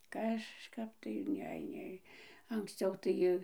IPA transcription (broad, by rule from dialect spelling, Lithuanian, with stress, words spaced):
kɐʃˈkɐp tɐɪ ˈnʲɛ ˈnʲɛɪ ɐŋksʲˈt͡sʲɛʊ tɐɪ